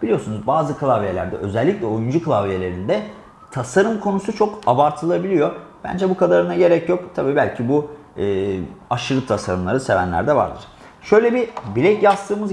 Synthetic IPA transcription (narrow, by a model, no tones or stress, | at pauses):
b̥ilʲijo̞sunuzbaːzɯkʰɯlˠavjelʲæ̰ɾd̪ɛʔø̞zɛlʲːiclʲɛo̞jund͡ʒukʰɯlˠavjelʲeɾind̪ɛ | t̪ʰasaɾumkʰo̞nusut͡ʃʰo̞kabaɾt̪ʰɯlˠabilʲijo̞b̥æ̰nd͡ʒɛbukad̪aɾɯnaɟe̞ɾɛcjo̞kt̪ʰabiːbælʲcʰibu | ɯːaʃɯɾɯp̚t̪ʰasaɾɯmlˠaɾɯse̞væ̰nlʲæ̰ɾd̪ɛva̰ɾd̪ɯ̰ɾ̥ | ʃøjlʲebibilʲɛcjast̪ʰɯːmɯz